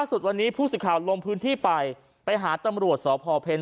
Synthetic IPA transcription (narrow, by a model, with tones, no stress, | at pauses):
laː˥˩su˨˩t̪̚wa˧nːiː˦˥pʰuː˥˩sɯ˨˩kʰaː˨˩wlo˧ŋpʰɯː˦˥nt̪ʰiː˥˩pa˧j | pa˧jɦaː˩˦t̪a˧mɾu˨˩ət̪̚sɔː˩˦pʰɔː˧pʰeː˧n